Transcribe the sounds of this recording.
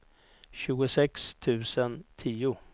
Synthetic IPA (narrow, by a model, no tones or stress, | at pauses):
ɕʉ̟ːɡʊsɛkst̪ʰʉ̟ːsənt̪ʰiːʊ